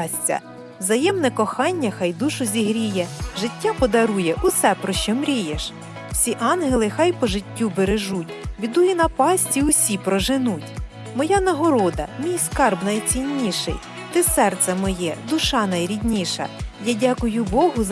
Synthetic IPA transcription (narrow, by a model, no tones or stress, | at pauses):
sʲt͡sʲɐ̰ | wzɐjɛmnɛkɔxɑnʲːɐxɑjd̪uʃʊzʲiɦɾʲijɛʒɪtʲːapɔd̪ɐɾujɛʔʊsɛpɾɔʃt͡ʃɔmɾʲijeʃ | w̥sʲiʔɑnɦelˠɪxɑjpɔʒɪtʲːubeɾeʒutʲʋʲid̪ujinɐpɑsʲtʲiwsʲipɾɔʒɪnutʲ | mɔjanɐɦɔɾɔd̪ɐ̰mʲijskɑrbnɐjt͡sʲinʲːiʃɪ̰j | t̪ɪsɛrt̪sɛmɔjɛd̪ʊʃɑnɐjɾʲid̪ʲnʲiʃɐ̰jadʲakʊjʊbɔɦʊz